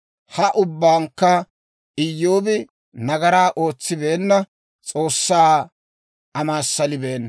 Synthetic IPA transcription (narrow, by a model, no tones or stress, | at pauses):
hɐʔʊbːaːŋkːɐ | ɪjːoːbɪ | nɐɡɐɾaːʔo̞ːt͡sːɪbe̞ːnːɐ | t͡sʼo̞ːsːaː | ɐmaːsːɐlɪbeːn